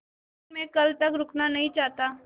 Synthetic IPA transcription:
mẽkəlt̪əkɾʊkʰnanəɦit͡ʃaɦt̪a

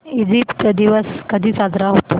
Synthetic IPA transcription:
id͡ʑipt̪d̪iʋəskəd̪ʱiːsad̪ʱɾaɦot̪o

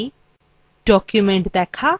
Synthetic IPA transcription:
ɖ̥ɔːkjumẽɳʈd̪ɛkʰa

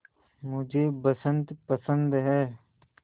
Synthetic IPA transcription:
mʊd͡ʒʱebəsə̃nd̪pəsə̃nd̪ɦɛː

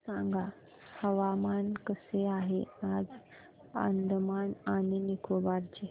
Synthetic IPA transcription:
sãŋɡa | həʋamankəseaɦead͡z | ə̰nd̪mananinikʰobaɾt͡ɕe

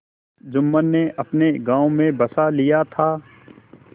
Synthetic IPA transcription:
d͡ʒʊmːənːeʔɐpneɡãːomẽbɐsalijat̪ʰaː

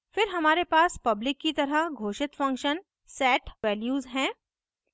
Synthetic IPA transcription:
fɪɾɦɐmaːɾepaːspɐblɪkːit̪ɐɾəɡʱoːʃɪt̪fɐ̃ŋkʃən | sɛːʈʋɛːljuːzɦɛ̃ː

